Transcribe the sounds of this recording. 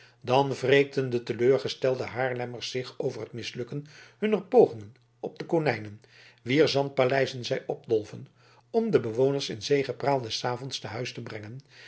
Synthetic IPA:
dɑnvreːk̚dəndətəløːɹχəstɛlˠdəɦaːɹlɛməɹsːɪχowvərɦətmɪslɵkənhɵnərpowχɪŋən | ɔb̚dəkonɛjnən | ʋiːɹzɑnt̚palɛjzənzɛjɔb̚dɔlˠvən | ɔmdəbəʋownəɹsɪ̰nzejχəpraːlˠdɛsaːvɔntstaɦœɥstəbrɛŋən

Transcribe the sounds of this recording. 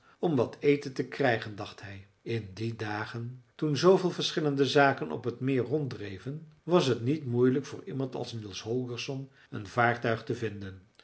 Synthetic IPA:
ɔmʋɑtʰejtəntəkrɛjχəndɑχtɦɛj | ɪndidaːχəntunzowvɪːlˠvəɹsχɪləndəzaːkənʔɔ̰pɦətmɪːrrɔntdrejvənʋɑsɦətnitmujləkfʊːɹimɑntɑ̰lˠsnilˠsɦɔlˠɡəɹsɔn | ənv̥aːɹtœɥχtəvɪndən

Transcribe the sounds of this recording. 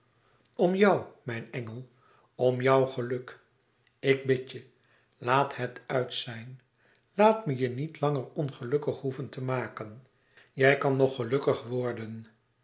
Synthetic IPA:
ɔmjɑwmɛjnɛŋəlˠ | ɔmjɒwχəlɵk | ɪk̚bɪtə | laːtɦətœɥtsɛjn | laːtməjənitlɑŋərɔnχəlɵkəχɦuvəntəmaːkən | jɛjkɑnːɔχəlɵkəχʋɔɹdən

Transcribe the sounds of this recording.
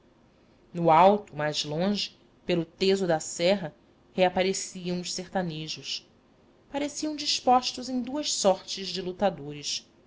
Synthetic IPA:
nʊawt̪ʊmajzlõʒɪ̥ | pelʊt̪ezʊd̪ɐsɛɦɐ | heapaɾesiɐ̃w̃ʊʃseɾt̪aneʒʊʃ | paɾesiɐ̃w̃d͡ʒiʃpɔʃt̪ʊzẽd̪uɐʃsɔɾt͡ʃɪʒd͡ʒɪlut̪ad̪oɾɪʃ

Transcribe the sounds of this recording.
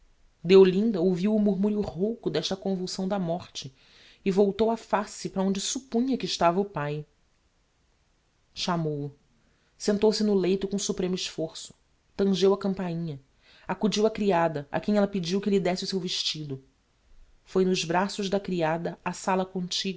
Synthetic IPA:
d̪eolĩnd̪ɐowviwʊmuɾmuɾjʊʁowkʊd̪ɛʃt̪ɐkõvuwsɐ̃w̃d̪ɐmɔχt͡ʃɪ | ɪvowt̪owɐfasɪpɾɐõnd͡ʒɪsupũɲɐkɪːʃt̪avɐʊpaj | ʃamowʊ | sẽnt̪owsɪnʊlejt̪ʊkõsupɾẽmʊɪʃfoɾsʊ̥ | t̪ɐ̃ʒewɐkɐ̃mpaĩɲɐ | akud͡ʒiwɐkɾiad̪ɐʔa̰kẽj̃ɛlɐpɪd͡ʒiwkɪlɪd̪ɛsɪʊsewvɪʃt͡ʃid̪ʊ | fojnʊʒbɾasʊʒd̪ɐkɾiad̪ɐasalɐkõnt͡ʃiɡɐ

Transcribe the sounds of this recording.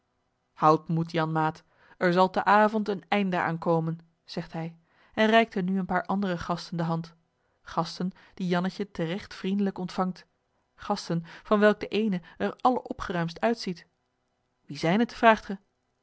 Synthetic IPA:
hɑwtmutjɑnmaːt | ɛɹzɑlˠtəʔaːvɔntənɛjndəʔa̰ːnkowmən | z̥ɛχtɦɛj | ɛnrɛjk̚tɦənyənpaːɹʔɑndərəχɑstəndəɦɑnt | χɑstən | d̥ijɑnəcətərɛχtfrindələkɔntfɑŋt | χɑstənvɑnʋɛlˠk̚dəʔejnəɛɹɑləʔɔpχərœɥmstœɥtsit | ʋizɛjnətfraːχtχə

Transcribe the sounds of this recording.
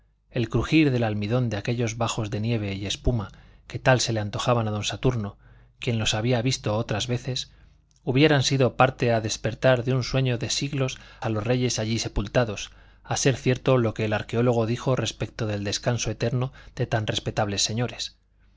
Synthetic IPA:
e̞lkɾuxiɾðe̞lalmiðo̞nd̪eake̞ʎo̞zβaxo̞zðe̞nje̞β̞e̞ie̞spuma | ke̞t̪alse̞leant̪o̞xaβ̞anaðo̞nsat̪uɾno̞ | kje̞nlo̞saβiaβist̪o̞ot̪ɾazβe̞θe̞s | uβje̞ɾansiðo̞paɾt̪e̞aðe̞spe̞ɾt̪aɾðeunswe̞ɲoðe̞siɣlo̞salo̞zre̞ʝe̞saʎise̞pult̪aðo̞s | ase̞ɾθje̞ɾt̪o̞lo̞ke̞ːlaɾkeo̞lo̞ɣ̞o̞ðixo̞re̞spe̞k̚t̪oðe̞ld̪e̞skanso̞e̞t̪e̞ɾnoðe̞t̪anre̞spe̞t̪aβle̞sːe̞ɲo̞ɾe̞s

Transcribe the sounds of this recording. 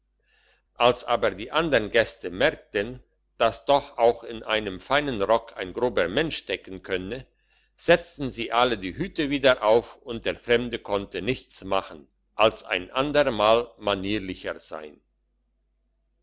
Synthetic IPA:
ʔalsʔaːbɐdiːʔandəʁnɡɛstəmɛɐk̚tən | d̥asd̥ɔxaʊxɪnʔaɪnəmfaɪnənʁɔkʰa̰ɪnɡʁoːbɐmɛnʃd̥ɛkn̩kʰœnə | z̥ɛt͡stn̩ziːʔalədiːɦyːtəviːdɐʔaʊfʊnt̚d̥eːɐfʁ̥ɛmdəkʰɔntənɪçt͡smaχn̩ | ʔalsʔa̰ɪnʔandəʁmaːlmaniːlɪçəz̥a̰ɪn

